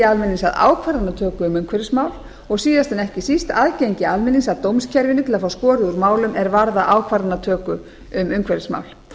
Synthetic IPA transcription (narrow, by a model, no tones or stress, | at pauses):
ɪalmɪnisa̰ða̰ːwkʰvaɾanat̪ʰœːkʏʏmʏmkʰvɛɾɪsmaːwl | ɔɣsiːðast̪ʰanɛhcɪsist̪aðcejɲcɪalmɪninsaðt̪owmscʰɛɾvɪnʏt̪ʰɪlafawskɔːɾɪuɾmaːwlʏmɛɾvaɾðaʔaːwkʰvaɾanːat̪ʰœːkʏ | ʏmʏmkʰvɛɾɪsma̰wl